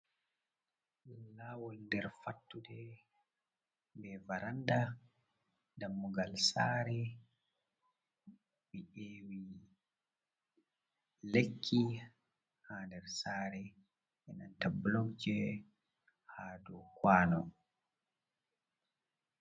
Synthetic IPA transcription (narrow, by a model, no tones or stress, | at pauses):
lawɔlndɛɾfatːudɛ | bɛvaɾanda | damːuɡalsaːɾɛ | bieːwi | lekʰːi | haːndɛɾsaːɾɛ | ʔɛna̰ntablɔŋd͡ʒɛ | haːdɔkwaːnɔ̰